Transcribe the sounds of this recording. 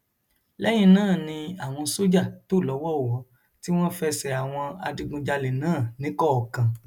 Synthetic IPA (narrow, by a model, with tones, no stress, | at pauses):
lɛ˦j̃ĩ˧nãː˦˨nĩ˧a˨w̃ɔ̃˧so˦d͡ʒa˦˨to˦˨lɔ˨˦wɔ˦˨wɔ˨˦ | ti˦w̃ɔ̃˦fɛ˧sɛ˨a˨w̃ɔ̃˧a̰˧dĩ˧ɡũ˧d͡ʒa˧le˨nãː˦˨nĩ˨˦kɔ˦ɔ˨kã˨